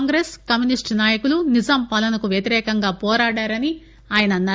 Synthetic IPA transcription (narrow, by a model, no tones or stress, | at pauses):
ŋɡɾeskɐmjunisʈnaːjɐkulunizɐmpɐlɐnɐkuʋjɐt̪iɾɛːkɐŋɡaːpɔːɾaːɽaːɾɐni | aːjɐnɐnːɐ